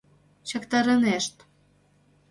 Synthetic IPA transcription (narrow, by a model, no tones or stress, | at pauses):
t͡ɕɑ̆kt̪ɑɾəneʃt̪